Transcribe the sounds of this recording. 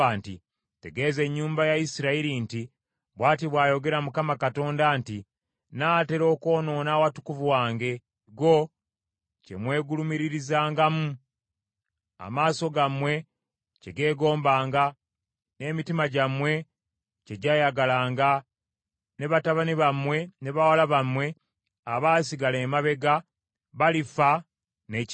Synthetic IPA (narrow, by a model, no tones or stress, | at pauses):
anti | te̞ɡe̞ːze̞ɲːuːmbajaisiɾaiɾinti | βwaːtiβwaːjo̞ɡe̞ɾamukamakato̞ːndanti | naːte̞ɾo̞ːko̞ːno̞ːnawatu̥kuvuwaːŋɡe̞ | ɡo̞ | ce̞̰mwe̞ːɡulumiɾiɾizaːŋɡamu | a̰maːso̞ɡamwe̞ | ceɡe̞ːɡo̞ːmbaːŋɡa | ne̞ːmitimaɟamwe̞ | ceɟajaɡalaːŋɡa | ne̞βataβaniβamwe̞ne̞βawalaβamwe̞ | aβaːsiɡale̞ːmaβe̞ɡa | βalifa | ne